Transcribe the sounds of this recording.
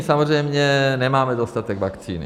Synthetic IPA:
samorɛjmɲɛnɛmaːmɛd̪ost̪at̪ɛɡvakt͡sḭːnḭ

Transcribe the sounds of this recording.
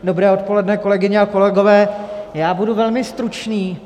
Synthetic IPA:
do̞bɾɛːo̞t̪̚po̞lɛdnɛko̞lɛɡɪɲɛako̞lɛɡo̞vɛːjaːbuduvɛlmɪst̪ɾut͡ʃniː

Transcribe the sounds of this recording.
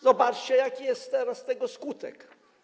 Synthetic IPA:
zɔbat͡ʂt͡ɕɛjakʲijɛst̪t̪ːɛɾast̪ɛɡɔskut̪ɛ̰k

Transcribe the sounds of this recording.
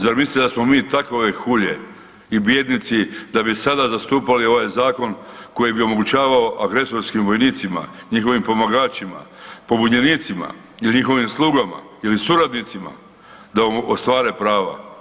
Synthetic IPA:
zaɾmislit̪d̪asmo̞miːt̪akoʋexuʎe | ibjed̪nit̪sid̪abisad̪azast̪uːpalioʋaːjzaːko̞nko̞jibio̞mo̞ɡut͡ɕaːʋao̞ʔaɡɾe̞so̞ɾskimʋo̞jniːt̪sima̰ | ɲixo̞ʋimpo̞maɡaːt͡ʃima̰po̞buɲeniːt̪sima̰ | iliɲixo̞ʋimslˠuːɡama̰ | ilisuɾad̪nit̪sima̰ | d̪aoost̪ʋaːɾe̞pɾaːʋa̰

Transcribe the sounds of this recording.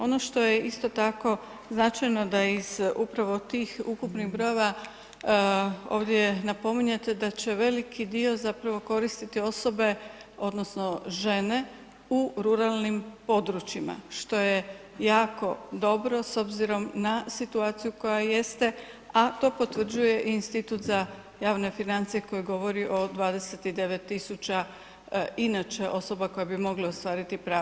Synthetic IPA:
o̞no̞ʃt̪o̞jeist̪o̞t̪ako̞ | znat͡ʃajno̞d̪aizupɾaʋo̞t̪iːxukupniɣbɾo̞jeʋa | o̞̰ːʋd̪je̞napo̞miɲet̪ed̪at͡ɕe̞ʋe̞likʰid̪io̞zapɾaʋo̞ko̞ɾist̪it̪io̞so̞be̞o̞d̪no̞sno̞ʒe̞ne̞ | uɾuɾalˠnimpo̞d̪ɾut͡ʃima̰ʃt̪o̞je̞ | jaːko̞d̪o̞bɾo̞so̞bziɾo̞mnasit̪uaːt̪sijuko̞jaje̞st̪e̞ | at̪o̞ːpo̞t̪ʋr̩d͡ʑuje̞ʔiːnst̪it̪ut̪za | jaːʋne̞finant̪sije̞ko̞jiɡo̞ʋo̞ɾiʔo̞d̪ʋaːd̪e̞se̞t̪id̪e̞ʋe̞t̪ːisut͡ʃa | inat͡ʃe̞ʔo̞so̞bako̞jebimo̞ɡleost̪ʋaːɾit̪ipɾaː

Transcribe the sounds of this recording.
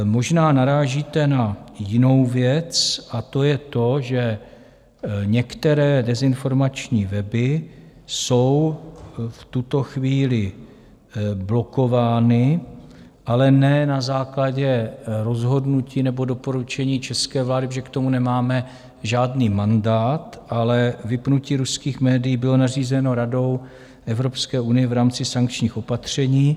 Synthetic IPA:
mo̞ʒnaːnaɾaːʒit̪ɛnajɪno̞wvjɛt͡sʔat̪o̞jɛt̪o̞ʒɛ | ɲɛkt̪ɛɾɛːdɛzɪnfo̞ɾmat͡ʃɲiːvɛbɪso̞w | ft̪ut̪o̞xviːlɪ | blo̞ko̞vaːnɪ | ʔalɛnɛnazaːklaɟɛɾo̞zɦo̞dnuciːnɛbo̞do̞po̞ɾut͡ʃɛɲiːt͡ʃɛskɛːvlaːdɪʒɛkt̪o̞munɛmaːmɛ | ʒaːdniːmandaːt̪ʔalɛvɪpnuciːɾuskiːxmɛːdɪjiːbɪlo̞nar̝iːzɛno̞ɾado̞w | ʔɛvɾopskɛːunɪjɛvɾaːmt͡sɪsaŋk̚t͡ʃɲiːxo̞pat̪r̝̥ɛɲiː

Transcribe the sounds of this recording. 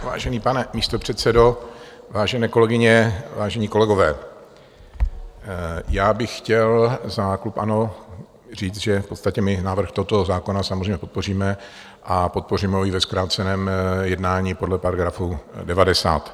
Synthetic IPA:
va̰ːʒɛniːpanɛmiːst̪o̞pr̝̥ɛt̪sɛdo | vaːʒɛnɛːko̞lɛɡɪɲɛvaːʒɛɲiːko̞lɛɡo̞vɛː | jaːbɪxxcɛlzaklupʔa̰no̞ | r̝iːt͡s̪ʒɛfpo̞t̪st̪acɛmɪnaːvr̩xt̪oɦot̪o̞zaːko̞nasamozɾrejmɲɛpo̞t̪̚po̞r̝iːmɛ | ʔapo̞t̪̚po̞riːmɛojɪvɛskɾaːt̪t͡sɛnɛːmjɛdnaːɲiːpodlɛpaɾaɡɾafudɛvadɛsa̰ːt̪

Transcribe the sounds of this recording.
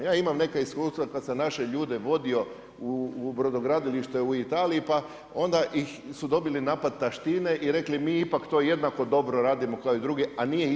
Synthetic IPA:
jaːimamne̞kaiskuːst̪ʋakad̪senaʃe̞ʎuːd̪e̞ʋo̞d̪io̞ | ubɾod̪oɡɾad̪iliʃt̪euit̪aːliipa | o̞nd̪aixsud̪o̞bilinaːpad̪̚t̪aʃt̪iːneʔiɾe̞klimiːipakt̪o̞je̞d̪nako̞d̪o̞bɾo̞ɾaːd̪imo̞kaoid̪ɾuɡeanije

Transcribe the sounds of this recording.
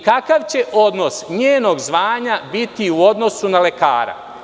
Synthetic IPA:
kakaʋt͡ɕe̞ʔo̞d̪no̞sɲeːno̞ɡzʋaːɲabit̪iuo̞d̪no̞sunale̞ka̰ːɾa̰

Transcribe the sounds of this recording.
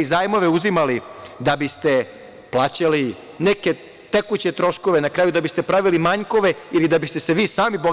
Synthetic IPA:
izaːjmo̞ʋeuzimalid̪abist̪e̞ | plˠaːt͡ɕali | neke̞ | t̪ekut͡ɕe̞t̪ɾo̞ʃko̞ʋenakɾaːjud̪abist̪e̞pɾaʋilimaɲko̞ʋe̞ilid̪abist̪e̞se̞ʋiːsaːmibo

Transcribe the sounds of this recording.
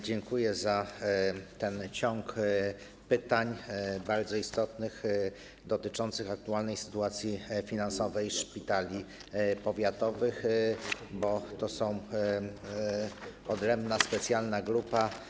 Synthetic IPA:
d͡ʑɛŋkujɛza | t̪ɛnt͡ɕɔŋk | pɘt̪aɲbaɾd̪zɔist̪ɔt̪nɘx | d̪ɔt̪ɘt͡ʂɔnt̪sɘxak̚t̪ualnɛjsɘ̥t̪uat̪sʲjifʲinansɔvɛjʂpʲit̪alʲi | pɔvʲjat̪ɔvɘx | bɔt̪ɔsɔ̃w̃ | ɔd̪ɾɛmbnaspɛt̪sʲjalnaɡɾupa

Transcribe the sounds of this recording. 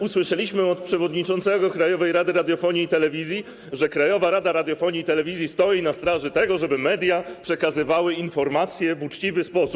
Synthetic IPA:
uswɘʂɛlʲiɕmɘɔt̪̚pʂɛvɔd̪ɲit͡ʂɔnsɛɡɔkɾajɔvɛjɾad̪ɘɾad̪ʲjɔfɔɲiːt̪ɛlɛvʲizʲji | ʐɛkɾajɔvaɾad̪aɾad̪ʲjɔfɔɲiːt̪ɛlɛvʲizʲjist̪ɔjinast̪ɾaʐɘt̪ɛɡɔʐɛbɘmɛd̪ʲjapʂɛkazɘvawɘinfɔɾmat̪sʲjɛvut͡ʂt͡ɕivɘspɔsup

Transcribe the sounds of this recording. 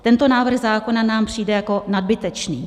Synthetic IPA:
t̪ɛnt̪o̞naːvr̩ɣzaːko̞nanaːmpr̝̥iːdɛjako̞nad̚bɪt̪ɛt͡ʃniː

